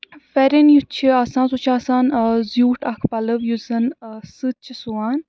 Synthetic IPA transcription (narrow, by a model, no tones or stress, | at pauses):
fɛɾenjut͡ʃʰiaːsaːnsut͡ʃʰaːsaːnzjuːʈɐkʰpɐlɨʋjuzɐnsɨt̚t͡ʃʰisuwaːn